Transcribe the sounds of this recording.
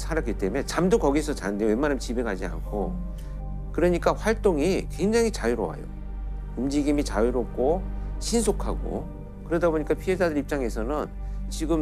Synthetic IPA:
sʰaɾak͈it͈e̞me̞t͡ɕamdokʌɡisʰʌt͡ɕandewemːanɯmt͡ɕibe̞ɡad͡ʑia̰nkʰo | kɯɾʌɲik͈aɸwaɭt͈oŋikwe̞ŋd͡ʑaŋit͡ɕajiɾowa̰jo̰ | umd͡ʑiɡimit͡ɕaiɾop̚k͈ʰoɕʰinsʰokʰaɡo̰ | kɯɾʌdaboɲik͈apʰiɦe̞d͡ʑadɯɾip̚t͡ɕ͈aŋe̞sʰʌnɯnt͡ɕiɡɯm

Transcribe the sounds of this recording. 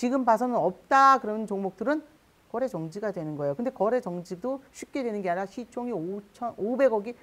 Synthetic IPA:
t͡ɕiɡɯmbasʰʌnɯnʌp̚t͈akɯɾʌnt͡ɕoŋmok̚t͈ɯɾɯn | kʌɾe̞t͡ɕʌŋd͡ʑiɡadwe̞nɯnɡʌe̞jokɯndekʌɾe̞t͡ɕʌŋd͡ʑidoɕʰɥik͈e̞dwenɯnɡeanaɕʰit͡ɕʰoŋiot͡ɕʰʌnobe̞ɡʌɡi

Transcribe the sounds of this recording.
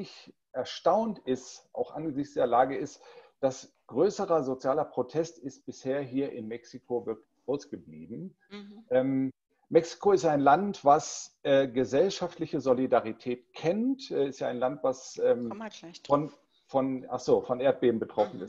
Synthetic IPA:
ɪç | ʔɛɐʃtaʊntɪstʔa̰ʊxʔanɡəzɪçtt͡sd̥eːɐlaːɡəɪstd̥as | ɡ̥ʁøːsəʁɐzot͡sjaːlɐpʁ̥otʰɛstɪst̚b̥ɪsheːɐɦiːɐʔɪnmɛksikʰovɪɐklɪçaʊsɡ̥əblḭːbm̩ | ʔɛːm | mɛksi̥kʰoɪstaɪnlantv̥asʔɛːɡəzɛlʃaftlɪçəzolidaʁitʰɛːtkʰɛntʔɛɪstjaːaɪnlantv̥asɛːmfɔn | fɔnʔaχz̥oːfɔnʔeːɐt̚b̥eːbm̩bətʁ̥ɔfn̩ɪst

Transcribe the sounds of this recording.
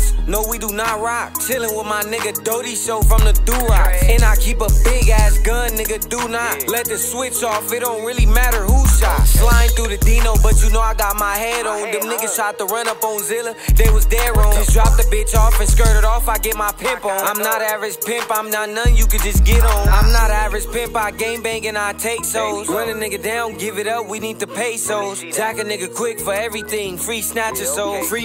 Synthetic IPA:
noʊwiɾənət̚ɹaɪt̚t͡ʃʰɪlˠɪ̃ŋwɪðmaɪnɪɡɨdoʊɾiʃoʊfɹʌ̃mðɨduɹɨ̃naɪkʰipəbɪɡæɪsɡ̥ʌ̃nːɪɡɨdunət̚lɛt̪̚ðɨswɪt͡ʃɔfɪɾõnɹɪlˠimæɾə˞huʃɑtflãɪɪ̃ŋθɹuðɨdĩnoʊbʌt͡ʃɨnoʊaɪɡɑt̚maɪhɛɾɔ̃nðɨnɪɡɨʃɑt̚təɹʌ̃nʌpõnzɪlˠəðeɪwʌzdəɹõd͡ʒʌsdɹɑp̚ðɨbɪt͡ʃɔfɨ̃nskɜ˞ɾɨɾɔfaɪɡɛt̚maɪpʰɪ̃mpnãɪ̃mnəɾævɨd͡ʒ̥pʰɪ̃mpãɪ̃mnətⁿnʌ̃njɨkɨdd͡ʒʌsɡ̥ɛɾn̩ãɪ̃mnəɾævɨd͡ʒ̥pɪ̃mpaɪɡẽɪ̃mbæ̃ŋkɨ̃naɪtʰeɪksoʊlˠz̥ɹʌ̃nɨnɪɡɨdãʊ̃nɡɪvɨɾʌp̚winid̚tʰɨpʰeɪsoʊlˠz̥d͡ʒækɨnɪɡɨkʰw̥ɪkfə˞ɛvɹiθɪ̃ŋfɹisnæt͡ʃɨsoʊfɹi

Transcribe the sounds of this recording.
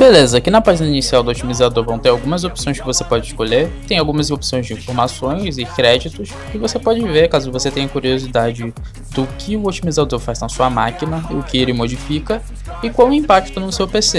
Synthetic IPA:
belezɐkɪnɐpaʒinɐinisiawd̪ʊot͡ʃimizad̪oɾvɐ̃w̃t̪eɾawɡũmɐzopsõj̃skɪvosepɔd͡ʒɪʃkoʎet̪ẽj̃awɡũmɐzopsõj̃zd͡ʒɪĩfoɾmasõj̃zɪkɾɛd͡ʒit̪ʊs | kɪvosepɔd͡ʒɪveɾkazʊvoset̪ẽj̃ɐkuɾiozid̪ad͡ʒɪ | d̪ʊkʰɪʊot͡ʃimizad̪oɾfajznɐsuɐmakinɐʊkɪelɪmod͡ʒifikɐ | ɪkwawʊĩmpak̚t͡ʃt̪onʊsewpese

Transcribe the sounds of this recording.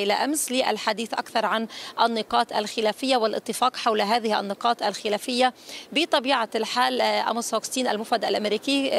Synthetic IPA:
ɪlaʔamslɪʔa̰lħad̪iːθʔakθɑɾˤʕanʔanːɪqɑːt̪ʔa̰lxɪlæːfɪjːawɪlʔɨt̪ˤːɨfɑːqħawlɦaːðɪhʔa̰nːɪqɑːt̪alxɪlaːfɪjːabɪt̪ˤɑbiːʕalħaːlʔa̰masokst̪iːnʔa̰lmʊfad̪a̰lʔamɾiːki

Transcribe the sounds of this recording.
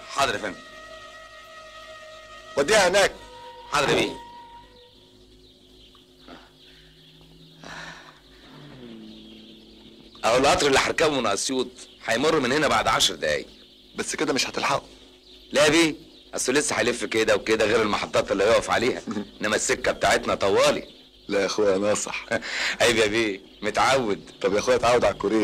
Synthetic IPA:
ħɑd̪ˤɾfæn | wæd̪iːhæhenæːk̚ħɑd̪ɾbiː | ʔæʔulːʔɑt̪ˤɾelʔæħɑɾˤkæbmenʔɑsjuːt̪ˤħɑjmorˤːmenhenæbaʕd̪ʕaʃɾˤd̪æʔæ̰ːj | bæsːked̪æmeʃhæt̪elħaʔu | læbiː | ʔæsˤulːesːæħajlefːked̪æweked̪æɣeːɾelmɑħɑt̪ˤːɑːt̪ˤelːijoʕʔæfʕa̰leːhæʔenːæmæsːekːæbet̪aːʕet̪næt̪ˤɑwːɑːli | læʔexuwnɑːsˤɑ̰ħʔæjbæbiː | met̪ʕawːed̪t̪ˤɑbjæxuːæt̪ʕawed̪ʕalkːoɾeː

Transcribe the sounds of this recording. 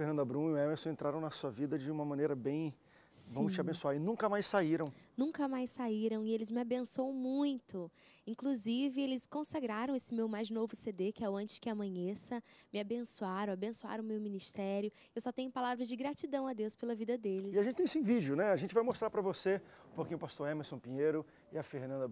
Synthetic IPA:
fenɐ̃d̪ɐbɾũnʊɛmesʊẽnt̪ɾaɾɐ̃w̃nɐsuɐvid̪ɐd͡ʒɪũmɐmɐ̃nejɾɐbẽj̃ | vɐ̃mʊst͡ʃɪabẽsuaɾɪnũkɐmajssaiɾɐ̃w̃nũŋkɐmajsːaiɾɐ̃w̃ɪelɪzmɪabẽsuõw̃mũj̃t̪ʊĩkluzivɪelɪskõsaɡɾaɾɐ̃w̃esɪmewmajznovʊsed̪ekɪɛʊɐ̃nt͡ʃɪ̥skɪamɐ̃ɲesɐmɪabẽsuaɾɐ̃w̃abẽsua̰ɾɐ̃w̃mewminiʃt̪ɛɾjʊ | ewsɔt̪ẽɲʊpalavɾɐzd͡ʒɪɡɾat͡ʃid̪ɐ̃w̃ɐd̪ewspelɐvid̪ɐd̪elɪsiaʒẽnt͡ʃɪt̪ẽsẽvid͡ʒjʊnɛaʒẽt͡ʃɪvajmost̪ɾaɾpɾɐvose | ʊpoɾkĩɲʊpast̪oɾemeɾsõpĩɲeɾʊ | ɪɐfeɾnɐ̃d̪ɐ

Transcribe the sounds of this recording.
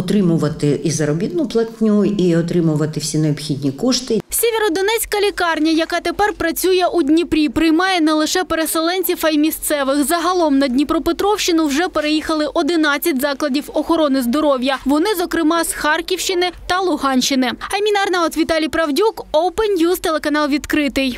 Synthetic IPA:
ɔt̪ɾɪmʊʋɐt̪ɪʔizɐɾɔbʲid̪nʊplˠɐt̪ʲnʲuiɔt̪ɾɪmʊʋɐt̪ɪwsʲineɔbxʲid̪ʲnʲikɔʃt̪ɪsʲeʋʲeɾɔd̪ɔnɛt͡sʲkɐlʲikɑrnʲɐjɐkɑt̪epɛrpɾɐt͡sʲujɛʔudʲnʲipɾʲipɾɪjmɑjɛnɛlˠɪʃɛpeɾeselˠɛnʲt͡sʲifɐjmʲist̪sɛʋɪxzɐɦɐlˠɔmnɐdʲnʲipɾɔpet̪ɾɔwʃt͡ʃːɪnʊwʐɛpeɾejixɐlˠɪʔɔd̪ɪnɑt͡sʲːɐt̚ʲzɑklˠɐdʲiwɔxɔɾɔnɪzd̪ɔɾɔwʲjɐʋɔnɪzɔkɾɪmɑsxɑrkʲiwʃt͡ʃɪnɪt̪ɐlˠʊɦɑnʲt͡ʃɪnɪɐmʲinɐrnɐɔt̪ʋʲit̪ɑlʲijpɾɐwdʲukowpenjuzt̪elˠekɐnɑlˠʋʲid̪kɾɪt̪ɪj

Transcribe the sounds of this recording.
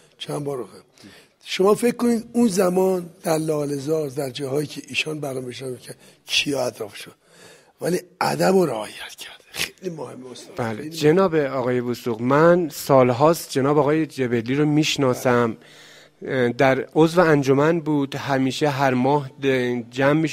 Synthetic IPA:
t͡ʃʰænbɒːɾoxem | ʃomɒːfe̞kkːoniːd̪unzæmɒːnd̪̥æɾlɒːlezɒːɾd̪æɾd͡ʒɒːhɒːjiːcʰeʔiːʃɔːnbæɾɔmbeʃnɒikʰæ | cʰijɒæt̪ɾɒːfʃod̥̪ | væliæ̰d̪æboɾeɒːjæt̪cʰæ̥ɾd̪̥exejlimohemːosbæled͡ʒe̞nɒːbeɒːɣɒːjebusuːɣmænsɒːlɦɒːst̪̚d͡ʒe̞nɒːbɒːɣɒːjed͡ʒebe̞lːiːɾomiːʃnɒːsæm | d̪æɾozveænd͡ʒomænbuːd̪hæmiːʃeɦæɾmɒːhd͡ʒæmːiːʃ

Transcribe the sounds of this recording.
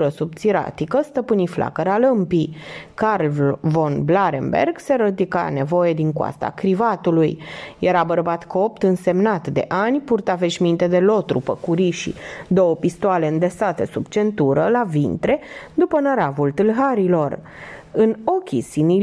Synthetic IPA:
ɾəsub̚t̪siɾa̰t̪ikəst̪əpɨniflʔa̰kəɾaləmpikarlvo̞nblaɾḛmbḛrɡse̞ɾəd̪ika̰ne̞vo̞je̞d̪iŋkwa̰st̪a̰kɾivat̪ulujjeɾabərbat̪kop̚t̪ɨnse̞mnat̪d̪e̞ʔanʲpurt̪ave̞ʃmint̪e̞d̪e̞lo̞t̪ɾṵpəkuɾiʃḭd̪o̞wəpist̪oale̞ɨnd̪esat̪e̞subt͡ʃe̞nt̪uɾəlavint̪ɾe̞d̪upənəɾavult̪ɨlɦaɾilo̞r | ɨno̞kʲisini

